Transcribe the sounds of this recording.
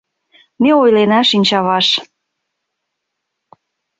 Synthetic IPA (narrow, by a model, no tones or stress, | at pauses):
meojlenɑʃinʲt͡ɕɑβɑʃ